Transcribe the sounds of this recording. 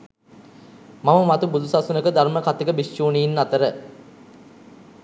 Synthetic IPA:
maməmat̪ubud̪ʱusasunəkəd̪arməkat̪iɡəbist͡ʃuːniinːat̪əɾə

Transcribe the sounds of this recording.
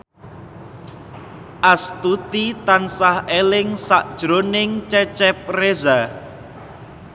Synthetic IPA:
ʔast̪ut̪it̪ansahelɪŋsaʔd̥ʒ̥ɾonɪŋt͡ʃɛt͡ʃɛp̚reza

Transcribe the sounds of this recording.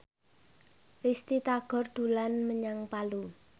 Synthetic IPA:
rist̪it̪aɡ̥ɔ̤rd̪̥ṳlanməɲaŋpalu

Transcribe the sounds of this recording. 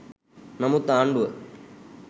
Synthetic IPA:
nɐmut̪aːɳɖuʋɐ

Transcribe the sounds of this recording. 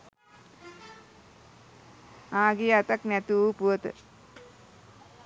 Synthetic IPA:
aːɡeat̪aknæt̪uupuʋət̪ə̰

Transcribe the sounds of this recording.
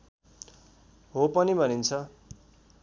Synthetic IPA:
ɦopʌnibʱʌnint͡sʰʌ

